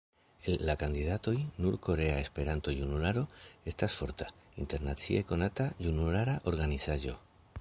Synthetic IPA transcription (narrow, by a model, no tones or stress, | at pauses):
elːakand̪iðat̪o̞jnuɾko̞ɾe̞aespe̞ɾant̪o̞junulaɾo̞est̪asfo̞ɾt̪aḭnt̪e̞ɾnat͡sḭeko̞nat̪ajunulaɾaʔo̞ɾɣanisaʒo̞